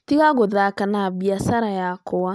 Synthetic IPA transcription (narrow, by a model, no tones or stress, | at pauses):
tiɣaɣoðaːkanaβiasaɾajakowa